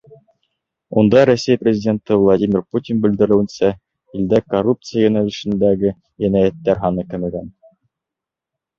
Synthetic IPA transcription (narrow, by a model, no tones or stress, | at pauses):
und̪ɑɾosʲæjprʲɪzʲɪdʲe̞nt̪ɘvlˠadʲimʲɪrputʲinbɘ̆ld̪ɘ̆ɾɘ̆wɘ̆nsæ | ild̪ækorup̚t̪sɨjajɵnælɘ̆ʃɘ̆nd̪æɡɘ | jænæjæt̪ːæɾɦɑnɤkɘ̆mɘɡæn